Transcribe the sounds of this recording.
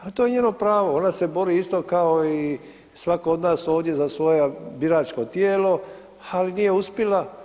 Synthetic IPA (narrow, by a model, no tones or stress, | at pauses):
at̪oje̞ɲeːno̞pɾaːʋoo̞nase̞bo̞ɾiːist̪o̞kaoi | sʋakood̪naːso̞ːʋd̪je̞zasʋo̞jabiɾaːt͡ʃko̞t̪jeːlo̞ | alinije̞uspjela